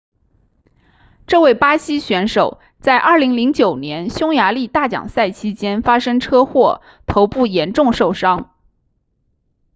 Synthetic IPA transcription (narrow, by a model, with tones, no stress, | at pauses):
ʈ͡ʂɤ˥˧we˥˩ɪpa˥ɕi˥ɕɥɛ˧˥nʂo˨˩ʊ | t͡sa˥˧ɪʔɐ˞˥˩li˧˥ŋli˧˥ŋt͡ɕjo˨˩ʊnjɛ˧˥nɕjʊ˥ŋja˧˥li˥˧t̪a˥˩t͡ɕjɑ̰˨˩ŋsa˥˩ɪt͡ɕʰi˥t͡ɕjɛ˥nfa˥ʂɤ˥ŋʈ͡ʂʰɤ˥xwɔ˥˩ | t̪ʰo˧˥ʊpu˥˩jɛ˧˥nʈ͡ʂʊ˥˧ŋʂo˥˩ʊʂɑ˥ŋ